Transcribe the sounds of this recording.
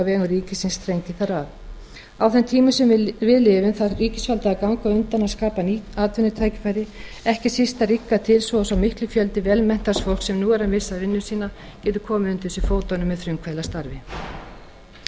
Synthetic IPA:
avɛːɣʏɾiːcɪsɪnst̪ɾejɲc̪ɪθaɾav | awθɛnt̪ʰiːmʏsɛmvɪðlɪːvʏnθaɾiːcɪsfalt̪aːkawŋkaʏnt̪anaskaːpaniaːt̪vʏnːɪt̪ʰaːjcɪ̥faːjɾɪ | ɛhcɪsist̪arikːat̪ʰɪlsvɔsawmɪhklʏfjœlt̪ɪvɛlmɛn̥t̪asfol̥ksɛmnuːɛɾamɪsːaðvɪnːʏsiːna | cɛːt̪ʏ̥kʰɔːmɪʏnt̪ɪsʏfoːwt̪anʏmːɛðθɾʏmkʰvalast̪aɾvɪ

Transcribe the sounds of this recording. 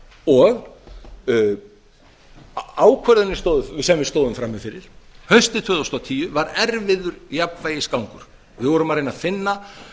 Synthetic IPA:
ɔɣ | aːwkʰvœɾðʏnːɪst̪oːwðʏsɛmvɪst̪oːwðʏmfɾamːɪfɪɾɪɾ̥hœɥst̪ɪt̪ʰvœːðowst̪awt̪ʰiːjʏvaɾɛɾvɪðʏɾjapnvaːjɪskawŋkʏɾ̥ | vɪðvɔɾʏmaɾejnaðfɪnːa

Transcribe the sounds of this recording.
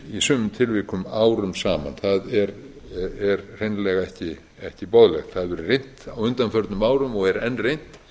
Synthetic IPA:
isœːmʏmt̪ʰɪlvɪːkʏmaːwɾʏmsaːma̰nθaðɛɾ | ɛɾr̥ejnlɛɣaɛhcɪ | ɛhcɪpowðlɛxt̪θaðvɛɾɪrejn̥t̪awʏnt̪anfœɾt̪nʏmaːwɾʏmɔɣɛɾɛnːrejn̥t̪

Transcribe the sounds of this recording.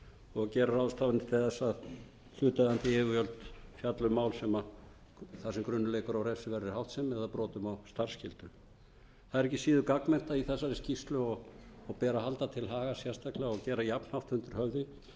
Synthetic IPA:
ɔɣcɛːɾaɾawðʏst̪aːvɪnɪ̥t̪ʰɪθɛsːað | l̥ʏːt̪aðant̪ɪhɛvʏjœlt̪fjat̪lʏmaːwlsɛma | θasɛmkɾʏnːʏleːjkʏɾawɾejsɪvɛɾðɪhawht̪sɛmɛðapɾɔːt̪ʏmawst̪ar̥scɪlt̪ʏ | θaðɛɾɛhcːɪ̥siːðʏkaknmɛn̥t̪aiθɛsːaɾɪscist̪lʏɔɣːɣpɛːɾahalt̪at̪ʰɪlɦaːɣasjɛ̥st̪aklɪɣaɔɣcɛːɾajapn̥hawft̪hʏnt̪ʏɾ̥hœvðɪ

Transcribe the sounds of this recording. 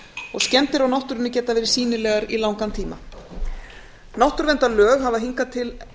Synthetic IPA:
ɔɣscɛnt̪ɪɾawnawht̪ʏɾɪnːʏcɛːt̪avɛːɾɪɾ̥siːnɪlɛːɣaɾilawŋkant̪ʰiːma̰ | nawht̪ʏɾvɛnt̪alœːɣɦavaðɦiŋkat̪ʰɪl

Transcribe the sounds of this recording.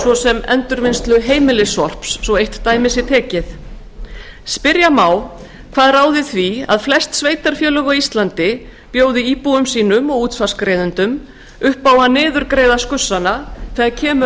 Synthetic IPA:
svɔsɛmɛ̰nt̪ʏɾvɪnst̪lʏɦeːjmɪlɪsɔr̥psːɔejht̪t̪ːaːjmɪsɪt̪ʰɛːcɪθ | spɪɾjamaːw | kʰv̥aːðraːwðɪθvia̰ðflɛst̪sveːjt̪aɾ̥fjœːlœɣɔist̪lant̪ɪ | pjoːwðɪiːpuʏmsiːnʏmɔɣuːt̪sfḁskɾeːjðʏnt̪ʏm | ʏhpaːwanɪːðʏɾkɾeːjðaskʏsːanaθɛːɣaɾcʰɛːm

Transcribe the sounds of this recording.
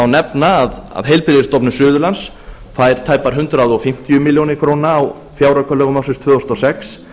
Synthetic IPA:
awnɛpnaːða̰ðɦejlpɾiðɪst̪ɔpnʏsʏːðʏlans | fajɾ̥t̪ʰaːjpaɾ̥ɦʏnt̪ɾaðɔɣfɪm̥t̪jʏmɪljownɪkʰɾownaːw | fjaːwɾakʰœlœɣʏmawsʏst̪ʰvʏːɔst̪ɔsɛks

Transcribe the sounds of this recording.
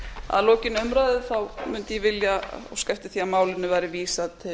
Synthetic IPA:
a̰ðloːwcɪnœmɾajðɪθawmʏnt̪ɪjɛvɪljaɔ̰ɣskajft̪ɪ̥θiamaːwlɪnːʏvajɾɪviːsat̪ʰɪ

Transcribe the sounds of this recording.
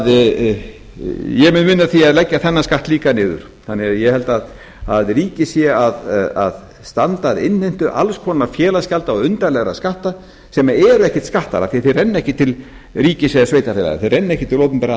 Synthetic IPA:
ð | jɛmɪnmɪnːaθiaðlɛcːaθɛnːaskaht̪liːkanɪːðʏ̰ɾ̥ | θanːɪɣaðjɛhɛlt̪að | aðriːcɪsjɛaða̰ð | st̪ant̪aːðɪnh̪ejn̥t̪ʏʔa̰lskʰɔːnafjɛːlascalt̪aɔʏnt̪alɛɣɾa̰skaht̪a | sɛmaɛːɾʏɛhcɛht̪skaht̪a̰ɾa̰θiθerɛnːɛhcɪt̪ʰɪl | ɾiːcɪsjɛasvejt̪afɛːla̰ɣa̰θeðrɛnːɛhcɪt̪ʰɪloːwt̪ʏmpɛɾa

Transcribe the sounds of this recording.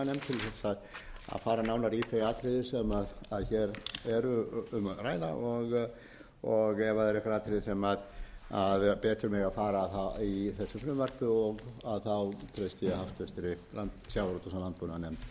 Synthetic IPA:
anɛmt̪ʰɪlθɛsa | a̰ðfaːɾanaːwnaɾifɾeaːt̪ɾɪðɪ̥sɛmaðaðçɛɾɛɾʏʏmraːjða̰ʔɔɣ | ɔɣɛvaðɛɾɛkvaɾaːt̪ʰɾɪðɪsɛmaðaðpɛːt̪ʏɾmɪɣaðfaːɾaðθaiθɛsːʏfɾʏmvœɾ̥pʏɔɣaðθawt̪ʰɾejst̪jɛhaft̪vɛst̪ɪɾɪlant̪sjawɾɔt̪ɔsalant̪̚pɔnanɛm

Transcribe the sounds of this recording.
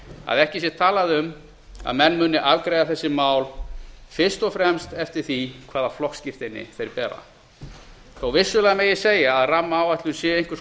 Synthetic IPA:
a̰ðɛhcɪsjɛt̪ʰaːlaðʏm | a̰ðmɛnːmʏːnːɪʔavkɾeːjðaθɛsːɪmaːwlfɪr̥st̪ɔfɾɛmst̪ɛft̪ɪɾ̥θikʰvaːðaflɔhkscɪft̪ɪnːɪ̰θejɾpɛːɾa̰ | θowvɪsːʏlɛːɣameːjɪseːjaːðramːaːwat̪lʏnsjɛejŋkvʏɾs

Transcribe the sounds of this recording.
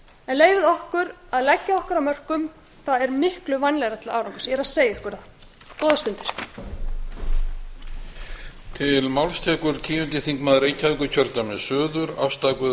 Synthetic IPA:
ɛnleːjvɪðɔhkʏɾaðlɛcːaɔhkʏɾamœr̥kʏm | θaðɛɾmɪhklʏvajnlɛɣɾat̪ʰɪlaaːwɾaŋkʏ̥sɛɾaðseːjaɪhkʰœɾað | ɔːðast̪ʏnt̪ɪ̥ɾ̥ | t̪ʰɪlmawlst̪ʰɛːkʏɾ̥cʰiːjʏnt̪ɪθiŋkmaðɾeːjcʰaɛkʏcʰœɾt̪amɛðsœːðʏɾa̰fst̪akvʏ

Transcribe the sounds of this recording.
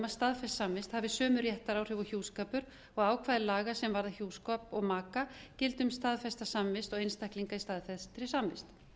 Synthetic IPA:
mast̪aðfɛssamvɪst̪havɪsœːmʏɾjɛht̪aɾaːwr̥ʏvɔçuːskaːpʏɾ | ɔɣaːwkʰvaːðɪlaːɣasɛmvaɾðaçjuːwskɔpɔɣmaːkacɪlt̪ʏmst̪aðfɛst̪asamvɪst̪ɔɣejnst̪ahkliŋkaist̪aðfɛst̪ɾɪsamvɪst̪

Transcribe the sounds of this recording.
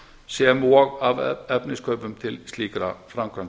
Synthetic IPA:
seɛmoɔɣavɛpnɪskʰœɥpʏmt̪ʰɪlsliːkɾafɾamkʰɾaŋ

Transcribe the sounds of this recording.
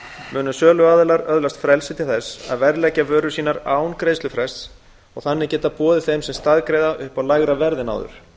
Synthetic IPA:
mʏːnʏsœːlʏaːðʏlaɾœðlast̪fɾɛlsɪt̪ʰɪlθɛsa̰ðvɛɾlɛcːavœːɾʏsiːnaɾaːwnkɾeːjslʏfɾɛs | ɔɣθanːɪcɛːt̪apɔːðɪθejmsɛmst̪aðkɾejðaʔʏhpawlaɣɾavɛɾðɪna̰wðʏ̰ɾ̥

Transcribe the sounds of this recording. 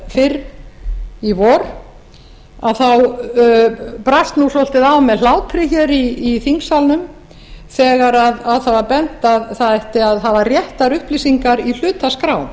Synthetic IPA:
fɪɾ | ivɔɾ | aðθaw | pɾast̪nuslol̥t̪ɪðawmɛðlaːwpʰɾɪçɛɾiːθiŋksalnʏm | θɛːɣaɾaðaðθavaɾpɛnt̪aðθaðɛht̪ɪaðɦavarjɛht̪aɾʏhplisiŋkaɾil̥ʏːt̪askɾaːwn

